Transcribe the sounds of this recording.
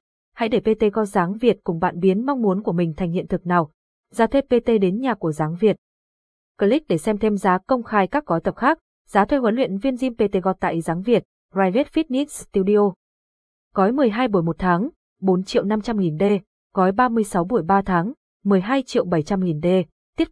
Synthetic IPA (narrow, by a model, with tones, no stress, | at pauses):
ha̰˧˥jɗe˧˩pe˧t̪e˧ɣɔ˧zaː˨˦ŋvi˨˩ət̚kʊ˨˩ŋ͡mɓa̰ː˧˨nɓi˨˦ənma˧wŋ͡mmu˨˦ənku˧˩əmï˨˩ŋ̟t̪ʰa˨˩jŋ̟hḭ˧˨ənt̪ʰɨ˨˩k̚naː˨˩w | zaː˨˧t̪ʰwe˧˥pe˧t̪e˧ɗe˨˦nɲaː˨˩ku˧˩əzaː˨˦ŋvi˨˩ət̚ | kə˧li˦˥k̟̚ɗe˧˩sɛ˧mt̪ʰe˧mzaː˨˦kə˧wŋ͡mxaː˧jkaː˦˥k̚ɣɔ˨˦jt̪ə˨˩p̚xaː˦˥k̚ | zaː˨˦t̪ʰwe˧hwə˨˦nlwḭ˧˨ənvi˧ənzi˧mpe˧t̪e˧ɣɔ˨˧˩t̚t̪a̰ː˧˨jzaː˨˦ŋvi˨˩ət̚ | zaː˧jve˦˥t̚fi˦˥t̚ni˦˥k̚st̪i˧wɗi˧o˧ | ɣɔ˨˦jmɨ˨˩əjɦaː˧jɓu˧˩əjmo˨˩t̚t̪ʰaː˨˦ŋ | ɓo˨˦nt͡ɕḭ˧˨əwna˧mt͡ɕa˧mŋi˨˩nɗe˧ | ɣɔ˨˦jɓaː˧mɨ˧əjsa˨˦wɓu˧˩əjɓaː˧t̪ʰaː˨˦ŋ | mɨ˨˩əjɦaː˧jt͡ɕḭ˧˨əwɓə˧˩jt͡ɕa˧mŋi˨˩nɗe˧ | t̪i˦˥ə